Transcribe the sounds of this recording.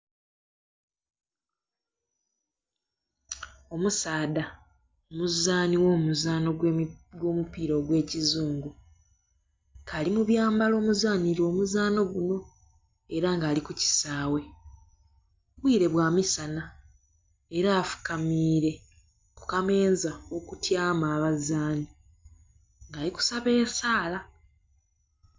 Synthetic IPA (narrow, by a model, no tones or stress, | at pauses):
o̞musaːda | omuzaːniwo̞ːmuzaːno̞ɡwo̞ːmupiːɾo̞ːɡwe̞ːcizuːŋɡu | kʰaːlimuβjaːmbalo̞ːmuzaːniɾo̞ːmuzaːno̞ɡuno̞ | e̞ɾaŋɡaːlikuci̥saːwe̞ | βwiːɾe̞βwaːmisana | eɾaːfu̥kamiːɾe̞ | ku̥kame̞ːnzao̞kutjaːmaːβazaːni | ŋɡaːliku̥saβe̞ːsaːla